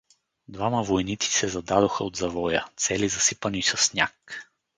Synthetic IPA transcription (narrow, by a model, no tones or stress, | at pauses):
d̪vaməvojnit̪si̥sɛzɐd̪ad̪oxəod̪zɐvɔjət̪sɛlizɐsipənisɐsːnʲa̰k